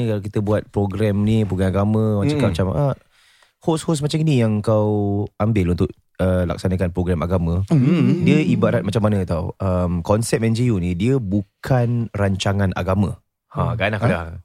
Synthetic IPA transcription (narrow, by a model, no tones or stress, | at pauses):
ikalakit̪əbuat̪̚pɾoɡɾɛmnipɾɔɡanaɡamə̃mat͡ʃakamat͡ʃamə̰ | hoshosmat͡ʃaminijaŋkawambɪlunt̪ʊʔ̚ | əla̰k̚sanəkanpɾɔɡɾɛmaɡamə̃diəibaɾat̪̚mat͡ʃamːanə̃t̪awəmkɔnsɛp̚ɛnd͡ʒiunidiəbukkʰanraɲt͡ʃaŋanʔa̰ɡamə̃ | hãɡanaka